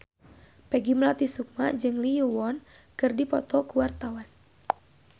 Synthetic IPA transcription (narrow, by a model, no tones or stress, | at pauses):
pɛɡimlat̪isuk̚mad͡ʒɨŋlijuwɔn | kɨrdipɔt̪ɔkuwart̪awan